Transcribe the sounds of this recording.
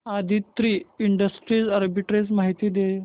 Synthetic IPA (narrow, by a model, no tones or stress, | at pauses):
ad̪ʱit̪ːɾiːiɳɖəsʈɾiːd͡zəɾbiʈɾesmaɦit̪iːd̪e